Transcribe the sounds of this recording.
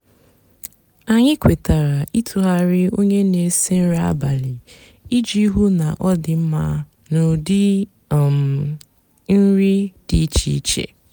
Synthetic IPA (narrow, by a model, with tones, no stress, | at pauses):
a˨ɲɪ˦kʷe˨ta˨ɾa˨i˦tʰu˨ɦa˨ɾɪ˦o˦ɲe˦ne˨se˦n̩˦ɾa˦a̰˦ba˨lɪ˨ | i˦d͡ʒi˦ɦu˦na˨ʔɔ˦dɪ˨m̩˦ma˦ | no˨dɪ˦˨ | m˨ | n̩˦ɾi˦d̥i˨˦t͡ʃḭ˨˦t͡ʃḛ˨